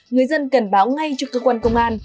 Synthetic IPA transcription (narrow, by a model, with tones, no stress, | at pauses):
ŋɨ˨˩əjzə˧nkə˨˩ŋɓaː˨˦wŋa˧jt͡ɕɔ˧kəː˧kwaː˧nkə˧wŋ͡mʔaː˧n